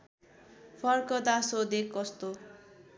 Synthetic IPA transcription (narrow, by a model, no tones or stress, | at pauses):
pʰʌrkʌd̪asod̪ekːʌst̪o